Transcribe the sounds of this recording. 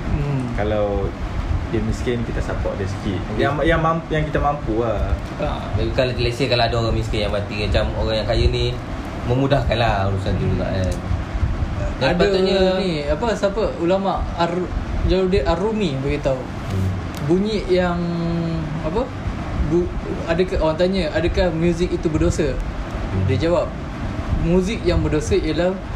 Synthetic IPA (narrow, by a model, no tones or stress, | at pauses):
kalaw | dəmiskinikit̪asapɔ̰ʔ̚dəsə̥kit̪̚jajaŋmamjaŋkit̪amampua | a̰ | bebikalat̪ilesəkalaadaoɾaŋmiskinjaŋbat̪imat͡ʃamoɾaŋjaŋkajəni | mə̃mudahkanlahuɾusant̪ud͡ʒuɡa̰ʔan | daadaəuɲəniapəsapəulamaʔard͡ʒawadəʔaɾumĩbaɡit̪au | buɲiʔjaŋ | apə | ɡuadəkaawant̪aɲəadəkahmjuzikit̪ubərdosə | did͡ʒawap̚ | muzɪk̚jaŋbərdosəiəlah